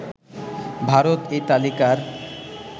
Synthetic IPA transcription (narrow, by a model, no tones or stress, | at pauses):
bʱaɾot̪et̪alikaɾ